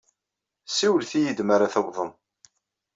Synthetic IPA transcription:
siwəlθijəd̪maɾaθəwðˤəm

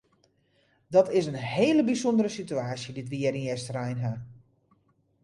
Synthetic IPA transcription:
dɔtɪsənheːləbisondəɾəsityaːsjəditʋiəɾinɛstrɛjnɦa

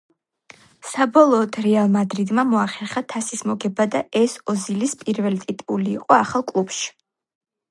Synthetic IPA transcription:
sabɔlˠɔːt̪ʰɾɛalˠmad̪ɾid̪mamɔaχɛɾχat̪ʰasismɔɡɛbad̪aɛsɔzilispʼiɾvɛlt̪ʼit̪ʼuliːqʼɔaχalˠkʼlˠubʃi̥

